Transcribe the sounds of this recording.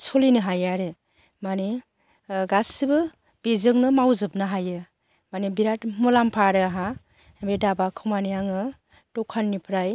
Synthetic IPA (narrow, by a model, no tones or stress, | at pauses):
sɔlinɯɦajaɾɯ | mane | ɡasibɯ | b̥ezɯŋnɯmawzɯpnɯɦajɯ | manebiɾatmulampʰaɾɯaɦa | ebedabakʰɯmanijaŋɯ | tɔkʰːanːipʰɾaj